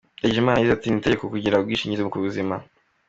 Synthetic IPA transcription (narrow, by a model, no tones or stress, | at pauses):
eɟimaːnajizatinite̞ɟekokuɟiɾabɡiːʃiːɲɟiziβukuβuzima